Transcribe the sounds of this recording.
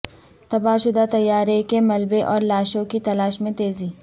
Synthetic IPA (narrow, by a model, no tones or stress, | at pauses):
t̪ɐbaːʃʊd̪at̪ɐjːaːɾekemɐlbeʔɔːɾlaːʃõkit̪ɐlaːʃmẽt̪eːziː